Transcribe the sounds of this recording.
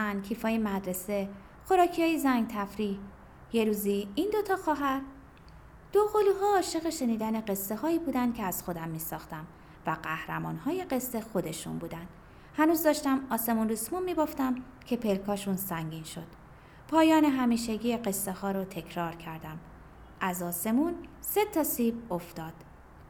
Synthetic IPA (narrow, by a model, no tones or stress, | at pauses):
æncʰiːfɒːjemæd̪ɾe̞se̞ | xo̞ɾɒːcʰijɒːjezæŋɡ̚t̪ʰæfɾiː | je̞ɾuːziind̪o̞t̪ʰɒːxɒːɦæɾ | d̪̥oɣoluɦɒːʃe̞ɣeʃe̞niːd̪æne̞ɢe̞sːe̞hɒːiːbuːd̪ænd̪̥kʰeæz̥xo̞d̪æmːiːsɒːxt̪æm | væɢæhɾæmɒːnhɒːje̞ɢe̞sːe̞xo̞d̪e̞ʃṵnbuːd̪ænd̪̥ | hænuːzd̪ɒːʃt̪æmɒːse̞mundusmunmiːboft̪æm | cʰe̞pʰe̞lkʰɒːʃunsæŋɟiːnʃo̞̰d̪̥ | pʰɒːjɒːne̞ɦæmiːʃeɟiːeɢe̞sːehɒːɾot̪ʰe̞cʰɾɒːɾcʰæɾd̪æm | ʔæzɒːse̞munse̞t̪ʰɒːsiːboft̪ɒːd̪̥